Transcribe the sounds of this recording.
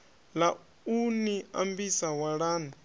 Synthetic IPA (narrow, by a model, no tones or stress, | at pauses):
la | unia̰mbisawaɺaːna